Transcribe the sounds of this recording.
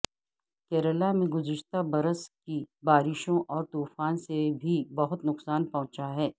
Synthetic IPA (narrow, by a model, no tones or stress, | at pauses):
kɛːɾəlamẽɡʊzɪʃt̪abɐɾəskibaːɾɪʃõʔɔːɾt̪uːfaːnsebʱibɐɦʊt̪nʊqsaːnpɐɦʊ̃t͡ʃaɦɛː